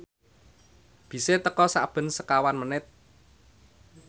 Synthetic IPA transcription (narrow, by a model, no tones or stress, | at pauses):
b̥i̤set̪əkɔsab̥ə̤nsəkawanmənɪt̪̚